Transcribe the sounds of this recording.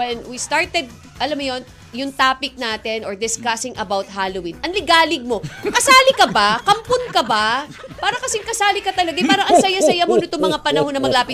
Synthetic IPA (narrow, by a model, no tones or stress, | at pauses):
wɛnwist̪aɹt̪ɛd̪̚ | ʔɐlamːʊjo̞n | jʊŋt̪aːpɪk̚naːt̪ɛnʔoɹd̪ɪskasɪŋʔɐbawt̪̚haːlowinʔɐnlɪɡaːlɪɡ̚mo̞kɐsaːlɪkɐbakɐmponkɐbapaːɾɐkɐsɛŋkɐsaːlɪkɐt̪ɐlɐɡapaːɾɐŋʔɐŋsɐjasɐjamonɪt̪oŋmɐŋapɐnɐhonːɐmɐɡlaːpɪt̪